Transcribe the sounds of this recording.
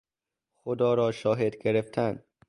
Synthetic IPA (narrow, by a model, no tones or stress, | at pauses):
xod̪ɒːɾɒːʃɒːɦed̪ɡe̞ɾeft̪ʰænd̪